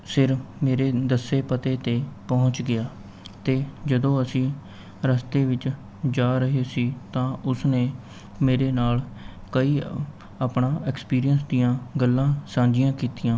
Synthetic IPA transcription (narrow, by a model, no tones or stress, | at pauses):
sɪɾmeːɾeːd̪əsːeːpət̪eːt̪eːpɔːʊɲt͡ʃɡɪjaː | t̪eːd͡ʒəd̪õːəsĩː | ɾəst̪eːʋɪt͡ʃ | d͡ʒaːɾəɦeːsiːt̪ãːʊsneː | meːɾeːnaːlkəiː | aːpɳaːɛkspiːɾijənsd̪ijãːɡəlːãːsãːd͡ʒɪjãːkiːt̪ijãː